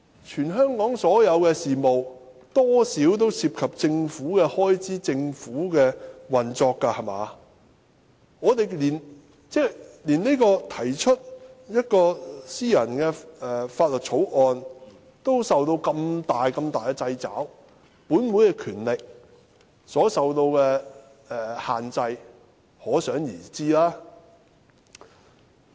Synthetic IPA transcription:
t͡ʃʰyː˨˩nɦœː˥ŋkɔː˨˥ŋsɔː˨˥jɐ˨˧wkɛː˧siː˨mo˨w | t̪ɔː˥siː˨˥wt̪̬o˥wsiː˧p̚kʰɐ˨p̚t͡sɪ˧ŋfuː˨˥kɛ˧hɔː˥jt͡siː˥t͡sɪ˧ŋfuː˨˥kɛː˧wɐ˨˩nt͡sɔː˧kːa˧hɐ˨˩ma̰ː˨˧ | ŋɔː˨˧t̪e˨jliː˨˩n | t͡sɛː˥liː˨˩ne˥kɔː˧t̪ʰɐ˨˩jt͡ʃʰɵ˥t̚jɐ˥t̚kɔː˧siː˥jɐ˨˩nkɛ˧ɛː˨faː˧t̚lɵ˨t̚t͡sʰo˨˥wʔɔː˧n | t̪o˥wsɐ˨wt̪o˧wkɐ˧mt̪aː˨jkɐ˧mt̪aː˨jkɛː˧t͡sɐ˧jt͡sa̰ː˨˥w | puː˨˥nmuː˨˥jkɛ˧kʰyː˨˩nlɪ˨k̚ | sɔː˨˥sɐ˨wt̪o˧wkɛ˧ | ɛː˨˩haː˨nt͡sɐ˧j | hɔː˨˥sœː˨˥ŋjiː˨˩t͡siː˥laː˥

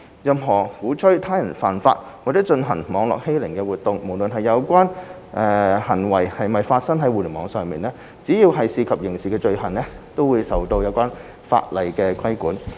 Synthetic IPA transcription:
jɐ˨mɦɔː˨˩huː˨˥t͡ʃʰɵ˥ɥt̪ʰaː˥jɐ˨˩nfaː˨˩nfa̰ː˧t̚ | waː˨˩t͡sɛ˨˥t͡ʃɵ˧nɦɐ̰˨˩ŋmɔː˨˧ŋlɔ̰ː˨k̚he˥jlɪ˨˩ŋkɛ˧wuː˨t̚t̪ʊ˨ŋmo˨˩wlɵ˨nɦɐ˨jjɐ˨˧wkʷaː˥n | ʔɛː˨˧hɐ˨˩nwɐ˨˩jhɐ˨jmɐ˨˩jfaː˧t̚sɐ˥ŋɦɐ˨˥jwu˨ly˨˩mɔː˨˧˥ŋsœː˨ŋmiː˨nlɛː˥ | t͡siː˨˥jiː˧wɦɐ˨jsiː˧kʰɐ˨p̚jɪ˨˩ŋsiː˨kɛː˧t͡ʃɵ˧ɥhɐ˨˩nlɛː˥t̪o˥wuː˨˧jsɐ˨wt̪o˧wjɐ˨˧wkʷaː˥n | fa̰ː˧t̚lɐ˨˩jkɛː˧kʷʰɐ˥jkuː˨˥n

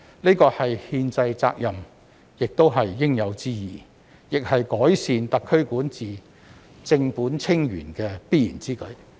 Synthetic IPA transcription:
ne˥kɔː˧hɐ˨jhiː˧nt͡sɐ˧jt͡sa̰ː˧k̚jɐ˨˩m | jɪ˨k̚t̪o˥wɦɐ˨jːɪ˥ŋjɐ˨˧wt͡siː˥jḭː˨˩ | jɪ˨k̚hɐ˨jkɔː˨˥jsiː˨nt̪ɐ˨kʰːɵ˥ɥkuː˨˥nt͡siː˨ | t͡sɪ˧ŋpuː˨˥nt͡sʰɪ˥ŋjy̰ː˨˩nkɛː˧piː˥jiː˨˩nt͡siː˥kɵ˨˥ɥ

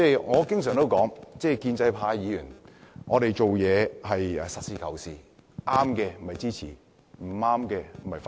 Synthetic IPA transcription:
t͡sɛː˥˩ŋɔː˨˧kɪ˥ŋsœː˨˩ŋt̪o˥wkɔː˨˥ŋt͡sɛː˥˩kiː˧nt͡sɐ˧jpʰaː˨˥jiː˨˧jyː˨˩nŋɔː˨˧ɾe˨jt͡ʃo˨wjɛː˨˧hɐ˨jsɐ˨t̚siː˨˧kʰɐ˨˩wsiː˨ | ʔaː˥mkɛː˧m̩˨˩mɐ˨jt͡siː˥t͡sʰiː˨˩ | m̩˨˩aː˥mkɛː˧m̩˨˩mɐ˨˩jfa˧

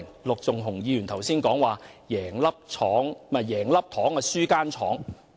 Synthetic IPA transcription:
ŋlʊ˨k̚t͡sʊ˨ŋɦʊ˨˩ŋjiː˧jyː˨˩nt̪ʰwsiː˥nkɔː˨˥ŋwaː˨jɛː˨˩ŋlɐ˥p̚t͡ʃʰɔː˨˥ŋmɛ˨˩jɛː˨˩ŋlɐ˥p̚t̪ʰɔː˨˥ŋɛ˧syː˥kaː˥nt͡ʃʰɔ̰ː˨˥ŋ

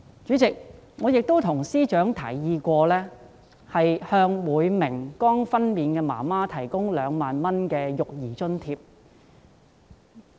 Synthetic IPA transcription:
t͡ʃyː˨˥t͡sɪ˨k̚ŋɔː˨˧jɪ˨k̚t̪o˥wt̪ʰʊ˨˩ŋsiː˥t͡ʃœː˨˥ŋt̪ʰɐ̰˨˩jːiː˧kʷɔː˧lɛː˥ | hɐ˨jhœː˧ŋwuː˨˧jmɪ˨˩ŋkɔː˥ŋfɐ˥nmiː˨˧nkɛː˧ma̰ː˨˩maː˥t̪ʰɐ˨˩jkʊ˥ŋlœː˨˧ŋmaː˨nmɐ˥nkɛː˧jʊ˨k̚jiː˨˩t͡ʃɵ˥nt̪ʰiː˧p̚

